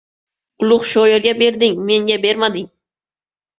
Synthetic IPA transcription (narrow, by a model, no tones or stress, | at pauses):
ʊlˠʊχʃojeɾɡʲabe̞ɾd̪ɪŋmeŋɡʲabe̞ɾmad̪ɪŋ